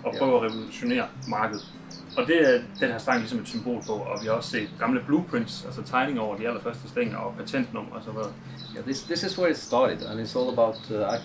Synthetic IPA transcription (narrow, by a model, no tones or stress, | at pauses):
ɒ̽pʰʁœ̰ʊɒʁɛʋo̝luɕo̝nḛːɐmɑ̈ːɡ̥əð̞̩ˠ | ɒ̽d̥e̝æd̥enɦæɐsd̥ʁɑ̈ɡŋlisɒ̽me̝d̥symb̥o̝̰ːlpʰɒ̽ɒ̽ʋihɑ̈ɒsse̝̰ːd̥ɡ̥ɑ̈mləb̥luːpʰʁind̥sælsət͡sʰɑ̈ɪne̝ŋɒʊɐd̥iælɐfɶɐsd̥əsd̥eŋ̰ɐɒ̽pʰæt͡sʰen̰d̥nɔ̽m̰ɐɒsɒ̽ʋeð̩ˠ | jæðɪsðɪsɪzwəɪtstɑɾɪd̥ə̰̃nɪtsɔlˠəbaʊt